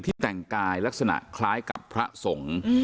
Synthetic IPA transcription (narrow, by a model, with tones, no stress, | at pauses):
t̪ʰiː˥˩t̪ɛ˨˩ŋkaː˧jla˦˥k̚sa˧na̰˨˩kʰlaː˦˥jka˨˩pʰːɾa˦˥so˩˦ŋ